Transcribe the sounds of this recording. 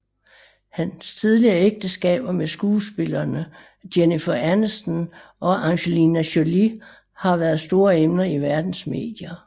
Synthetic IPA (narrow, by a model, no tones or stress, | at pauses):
hænst͡sʰið̞ˠliɐeɡ̥̚d̥əsɡ̥ɛ̰ːb̥ɐmesɡ̥uːsb̥e̝lɐːnə | d̥jenifɐʔænɐsn | ɒ̽ʔɑŋɕelinæɕoli | hɑ̈ʋæɐð̞ˠsd̥o̝ːɐemnɐiʋæɐd̥n̩sme̝̰ːd̥jɐ